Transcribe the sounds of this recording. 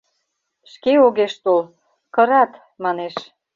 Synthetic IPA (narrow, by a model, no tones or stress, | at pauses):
ʃkeoɣeʃt̪ol | kə̆ɾɑt̪ | mɑneʃ